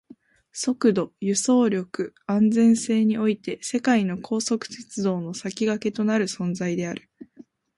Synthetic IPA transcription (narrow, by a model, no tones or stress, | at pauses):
so̞kɯ̟d̪o̞jɯ̟so̞ːɾʲo̞kɯ̟ãnd͡zẽ̞ɰ̃se̞ːɲ̟io̞it̪e̞se̞kaino̞kʰo̞ːso̞kɯ̟̥se̞t͡sɨd̪o̞ːno̞sakʲiɡake̞t̪o̞naɾɯ̟sõ̞nd͡zaid̪e̞aɾɯ̟̥